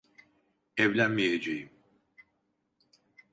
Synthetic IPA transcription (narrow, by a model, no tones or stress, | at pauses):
ɛvlʲænmijed͡ʒejim